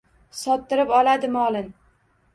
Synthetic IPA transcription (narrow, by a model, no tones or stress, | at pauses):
sɒt̪ːɪɾɪpɒlad̪ɪmɒlˠɪn